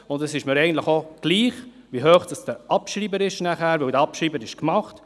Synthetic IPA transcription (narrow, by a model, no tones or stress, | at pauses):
ʊndɛsɪʃməɾɛjɡəntləχoɡ̥liːχ | ʋiɦøːχd̥ɑsd̥əɾɑpʃɾiːbəɾɪʃnæχæːɾʋɪwdəɾɑpʃɾiːbəɾɪʃkmɑχt